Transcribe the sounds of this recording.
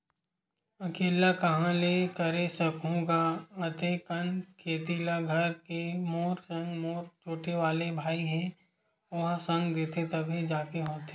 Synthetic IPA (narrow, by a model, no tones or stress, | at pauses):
ɐkeːlakɐɦãlekɐɾesɐkʰõkaɐt̪ekənkʰeːt̪iːlaɡʱɐɾkemoːɾsɐ̃ŋɡmoːɾt͡ʃoːʈeʋaːlebʱaːiɦɛ̃ | ʊɦsɐ̃ŋɡd̪eːt̪ʰet̪ɐbʱid͡ʒaːkeɦoːt̪eː